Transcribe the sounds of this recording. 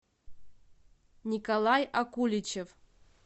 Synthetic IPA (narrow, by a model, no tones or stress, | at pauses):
nʲikalˠajakulʲit͡ɕef